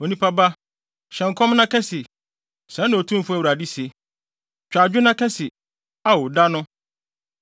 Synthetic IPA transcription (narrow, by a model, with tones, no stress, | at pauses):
o˨nĩ˦pʰa˦ba˦ | ɕɛ̃˨ŋ̩˨kʰɔ̃˦mnã˦kʰɛ˦sɪ˨ | sɛ̃˨˦nɪ̃˨o˨tʰũ˦m˦fʊ˦æ˦˨wɾa˨di˦se˨ | t͡ɕᶣa˨d͡ʑᶣʊ˦nã˦kʰɛ˦sɪ˨ | a˨wʊ˨da˦nʊ̃˦